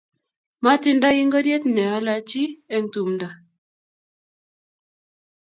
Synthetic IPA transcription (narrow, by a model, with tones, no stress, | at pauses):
ma˦ti˦nda˦i˦ŋɡɔ˦dje˦tnɛ˨a˦la˦t͡ʃi˦e˦˨ŋ̩˨tu˨mnda˨